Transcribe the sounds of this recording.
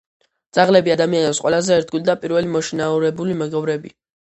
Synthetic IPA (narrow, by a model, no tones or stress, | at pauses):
d̪z̥aʁlɛbiad̪amianɛpsqʼwɛlazɛːɾt̪̚ʰɡulid̪apʼiɾvɛlimɔʃinauɾɛbulimɛɡɔvɾɛbi